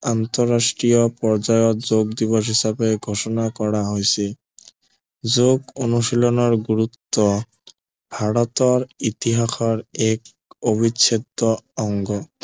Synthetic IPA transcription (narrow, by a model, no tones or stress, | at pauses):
ant̪ɔɾːasʈɾijɔpɔɾd͡ʑajɔt̪zoɡd̪ibɔɾɦisabeɡʱoʃɔnakɔɽaɦojsʰe | d͡ʑoɡonuʃilɔnɔɾɡuɾut̪ːɔ | bʱaɽɔt̪ɔɾit̪iɦaxʰɔɾɛk | obisʰed̪ɔɔŋɡɔ